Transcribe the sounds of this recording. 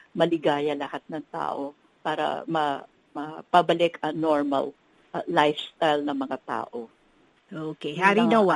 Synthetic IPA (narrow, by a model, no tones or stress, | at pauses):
mɐlɪɡaːjɐlɐhat̪̚nɐŋt̪a̰ːʔo̞ | paːɾɐ̰mɐ | mɐpɐbɐlɪkɐnoɹmɐ̰l | lajfst̪ajlnɐŋmɐŋat̪a̰ːʔo̞ | ʔoːkehaɾinɐwa